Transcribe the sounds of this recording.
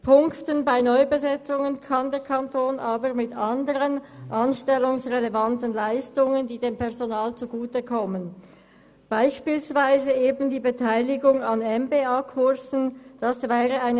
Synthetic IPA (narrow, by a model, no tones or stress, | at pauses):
pʰʊŋktənbaɪnɔʏbəzɛt͡sʊŋənkʰɑndəkʰantʰoːnʔaːbəʁmɪtʰandəʁənʔanʃtɛlʊŋsʁelevantənlaɪstʊŋəndiːdeːmpʰɛʁzonaːlt͡suɡuːtəkʰɔmən | b̥aɪʃpiːlsv̥aɪzəeːbn̩diːbətʰaɪlɪɡʊŋanɛmbeːaːkʰʊʁzn̩d̥asvɛːʁəaɪnə